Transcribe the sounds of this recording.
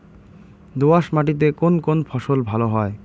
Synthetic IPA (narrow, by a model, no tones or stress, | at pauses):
d̪oaʃmaʈ̬it̪̬ekonkonfʰɔʃolbʱaloɦɔe